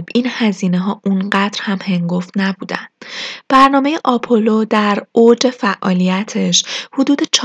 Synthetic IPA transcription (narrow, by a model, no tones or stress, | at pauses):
binhæziːneɦɒːʔunɢæd̪̥ɾhæmhe̞ŋɡo̞ft̪næbuːd̪æ̰nd̪̥b̥æɾnɒːme̞jeʔɒpʰolod̪æɾod͡ʒe̞fæʔːɒ̰ːlijæt̪ʰe̞ʃhud̪uːd̪e̞t͡ʃʰ